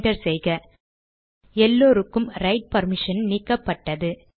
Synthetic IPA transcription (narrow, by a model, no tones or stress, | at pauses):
ɖɐɾsɛjɣɐ | ɛlːoːɾɯkːɯmɾɐɪʈ̚pɐɾmɪʂɐnniːkːɐpːɐʈːɐðɯ